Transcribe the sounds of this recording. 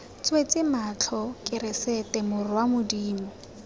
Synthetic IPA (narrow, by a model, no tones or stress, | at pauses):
t͡swet͡sʼɪmat͡ɬʰɔkʼɪɾɪsɛtɛmʊrwamʊdiːmɔ